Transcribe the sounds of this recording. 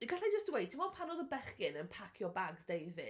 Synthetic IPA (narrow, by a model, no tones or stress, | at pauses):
iɡaɬajd͡ʒəstwejt̚tʰimɔnpʰanɔðəbɛχkɪnənpʰakʰjɔbaɡzdejvɪ̰